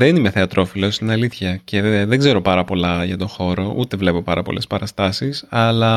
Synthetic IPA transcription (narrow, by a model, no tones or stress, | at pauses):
ðenimeθe̞ɐt̪ɾo̞filo̞st̪inɐliθçɐce̞ðeɡze̞ɾo̞pɐɾɐpo̞lɐʝɐt̪o̞xo̞ɾo̞ʔut̪e̞vle̞popɐɾɐpo̞̰lʔe̞spɐɾɐst̪ɐsisɐlɐ